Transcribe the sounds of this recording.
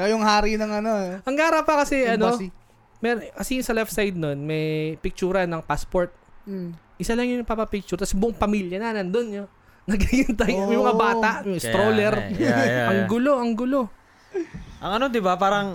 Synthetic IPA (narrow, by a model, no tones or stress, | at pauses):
ojʊŋhaːɾinɐŋɐnoʔɐŋɡaːɾɐpɐkɐsɛʔɐno̞ | mɛɾkɐsisɐlɛft̪sajd̪̚no̞nmɐjpɪk̚t͡ʃuːɾɐnɐŋpaspoɹt̪̚ | ʔɪsalɐŋjʊnɐpɐpɐpik̚t͡ʃʊɾt̪ɐsbʊʔoŋpɐmiːljɐnɐnɐnd̪onjo | nɐɡiɡɪnt̪ɐjmɛjmɐŋabaːt̪aʔŋɪst̪ɾoːlɛɾʔɐŋɡʊlo̞ʔɐŋɡʊlo̞ | ʔɐŋɐno̞d̪ɪbapaːɾɐŋ